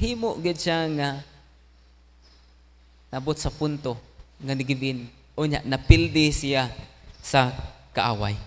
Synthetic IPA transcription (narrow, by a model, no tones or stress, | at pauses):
ɦimoʔɡɪd̪̚ʃaŋa | naʔabʊt̪sapʊnt̪oŋanɪɡɪvɪn | ʔʊɲja̰ʔnapɪld̪ɪsijasakaʔa̰ːwa̰j